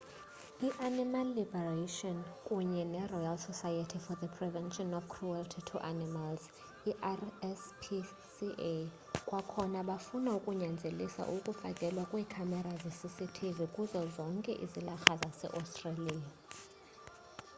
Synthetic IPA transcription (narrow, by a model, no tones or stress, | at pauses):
iʔanimalːibɛraʃɔnkʼuɲɛnɛrɔjalsɔsajatʰifɔðəpʰrɛvɛnʃɔnɔfkʰruɛltʰitʰuʔanimalz | iʔaɛspʰi | siʔ | kʼwakʰɔnaɓafunaukʼuɲand͡zʱelisa̰ʔukʼufakʼɛlwakʼwiːkʰamɛɾazesisitʰivikʼuzɔzɔŋkʼɛ̰ʔḭzilaxazasɛ̰ʔɔstʼralia